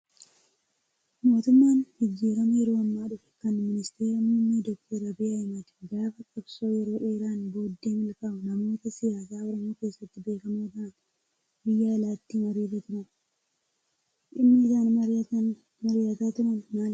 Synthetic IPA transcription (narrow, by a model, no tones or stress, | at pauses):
mo̞ːt̪ʊmːaːnɡɪd͡ʒːiːfɐmɐjɛɾo̞ːɐmːaːᶑʊfɛ̥kɐnmɪnɪst̪e̞ːɾɐmʊnːed̪ɔk̚t̪ʰɐɾɐbɪɐjmɐd̪ɛ̥ɡaːfɐkʼɐbso̞ːjɛɾo̞ːᶑe̞ːɾaːnbo̞ːd̪ːeːmɪlkaːbʊnɐmo̞ːt̪ɐsɪjaːsaːɔɾɐmoːke̞ːsːɐt̪ːɪbe̞ːkɐmoːd̪aːn | bɪjːaːlaːt̪ːiːmɐɾiːt̪ɐt̪ʊɾɐn | ʔɪnːɪɪzaːnɐ | mɐɾɪjɐt̪aːt̪ʊɾɐnmaːl